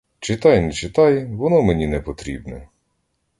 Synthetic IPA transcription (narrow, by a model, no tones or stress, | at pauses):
t͡ʃɪt̪ɑjnɛt͡ʃɪt̪ɑjʋɔnɔmenʲinɛpɔt̪ɾʲibnɛ̰